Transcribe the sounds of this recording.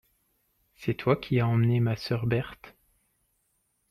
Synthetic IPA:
sɛt̪wakʲʰiaɑ̃mnemasœʁbɛʁt̪

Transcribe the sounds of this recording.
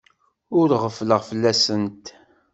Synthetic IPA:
ʊɾʁəfləʁfəlːæsənt̪

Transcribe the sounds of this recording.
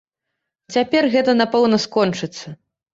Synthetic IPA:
t͡sʲapʲɛrɣɛt̪ɐnapɛwnɐskɔnt͡ʂɨt̪sːɐ

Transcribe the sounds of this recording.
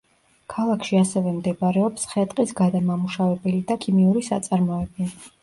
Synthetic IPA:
kʰalˠakʰʃiasɛvɛmd̪ɛbaɾɛɔpsχɛt̪ʼqʼisɡad̪amamuʃavɛbɛlid̪akʰimiuɾisa̰t̪sʼaɾmɔɛbi

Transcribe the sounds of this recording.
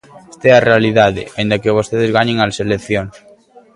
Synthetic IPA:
est̪aɛarealiðaðḛaind̪akeβ̞ost̪eðezɣaɲeŋalselekθjoŋ

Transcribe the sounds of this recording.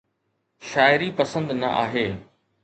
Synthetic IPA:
ʃaːɪɾipɐsə̃nd̪nɐ̰ʔa̰ːɦeː

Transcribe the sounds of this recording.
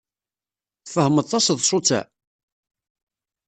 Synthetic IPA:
fəhmət̪ˤːɑsðˤʃʊt͡sːæ̰

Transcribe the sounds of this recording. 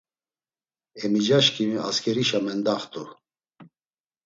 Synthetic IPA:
ɛmid͡ʒaʃkʰʼia̰skʰɛɾiʃamɛnd̪aχt̪ʼu

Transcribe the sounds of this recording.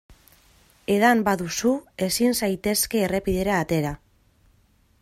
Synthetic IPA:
e̞ðambaðusue̞sinsajt̪e̞ske̞ːre̞piðe̞ɾaːt̪e̞ɾa

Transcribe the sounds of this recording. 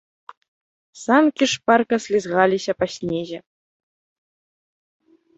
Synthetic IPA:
sɑnkʲiʂpɑrkɤ̆sʲlʲizʁɑlʲiɕɑpasʲnʲeʑɘ̆

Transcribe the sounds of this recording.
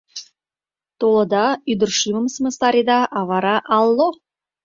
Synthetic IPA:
t̪olˠə̆d̪ɑyd̪ɘ̆ɾʃyməmsməst̪ɑɾʲid̪ɑʔɑvɑɾɑʔɑlˠːo

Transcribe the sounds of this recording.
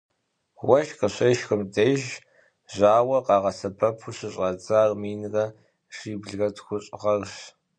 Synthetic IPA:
wɐʃqəɕɐʃxɨmdejʒ | ʑaːwɐqɑːʁɐsɐpʰɐpʰuɕɨɕʼɐd͡zaːrmiːnrɐ | ʂiːbɮɣɐtxʷʊɕʼʁɐrɕ

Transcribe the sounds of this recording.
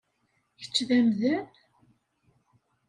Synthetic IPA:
çə̥t͡sːðæmðæn

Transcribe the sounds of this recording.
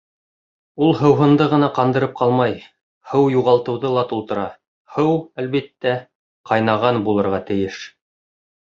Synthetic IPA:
ulˠɦɤ̆wɦɤ̆nd̪ɤʁɤ̆nɑqɑnd̪ɤ̆ɾɤp̚qʰɑlˠmɑj | hɤwjuʁɑlˠt̪ɤ̆wðɤlˠɑt̪ulˠt̪ɤ̆ɾɑ | hɤwælβit̪ːæ | qɑjnɑʁɑnbulˠɤ̆ɾʁɑt̪ɘ̆jɘʃ

